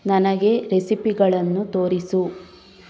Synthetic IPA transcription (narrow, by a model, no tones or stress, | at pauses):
nɐnɐɡe̞ɾesipiɡɐɭɐnːut̪o̞ːɾisu